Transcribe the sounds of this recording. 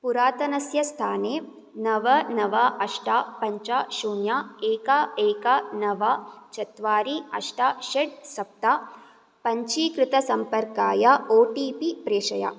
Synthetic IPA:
puɾaːt̪ɐnɐsjɐst̪ʰaːneː | nɐʋɐnɐʋɐʔɐʂʈaːpɐɲt͡ʃaːʃuːnjaːeːkaeːkɐnɐʋat͡ʃɐt̪ʋaːɾiɐʂʈaːʃeʈ̚sɐp̚t̪aː | pɐɲt͡ʃiːkɾɪt̪ɐsɐmpɐɾkaːjɐoːʈiːpipɾeːʂɐja̰

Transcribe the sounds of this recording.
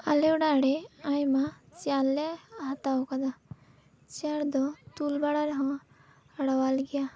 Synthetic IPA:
aleɖaɽeajma | t͡ʃjalːeɦat̪aokad̪a | t͡ʃaɽd̪ɔt̪ulbaɽaɾɦɔ̃ | ɽawalɡija

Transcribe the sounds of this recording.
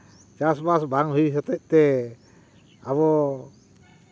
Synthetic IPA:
t͡ʃasbasbaŋɦuisɔt̪ɛʔ̚t̪ɛ | aβɔ

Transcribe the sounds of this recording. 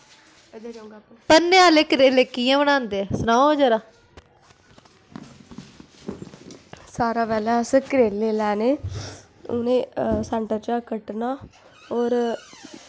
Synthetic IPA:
pənːeaːleːkɾeːleːkijãːbəɽ̃ãːnd̪eɛsənaːd͡ʒəɾaː | saːɾaːpɛːlaːsəkɾeːleːlɛːneː | ʊ̰nẽːsɛ̃ːɳʈəɾt͡ʃaːkəʈnaː | ɔːɾ

